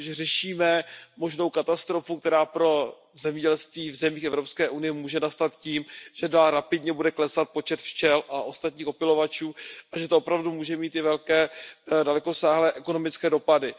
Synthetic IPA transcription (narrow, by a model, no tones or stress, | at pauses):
ʒɛrɛʃiːmɛmo̞ʒno̞wkat̪ast̪ɾo̞fuk̚t̪ɛɾaːpɾo̞ | zɛmɲɛɟɛlst̪viːvzɛmiːxɛvɾopskɛːʔunɪjɛmuːʒɛnast̪at̪ciːmʒ̥ɛdaːlɾapɪdɲɛbudɛklɛsat̪̚po̞t͡ʃɛt̪ft͡ʃɛlʔaʔo̞st̪at̪ɲiːxo̞pɪlo̞vat͡ʃuːʔaʒɛt̪oopɾavdumuːʒɛmiːt̪ɪvɛlkɛːdalɛkosaːɦlɛːʔɛko̞no̞mɪt͡skɛːdo̞padɪ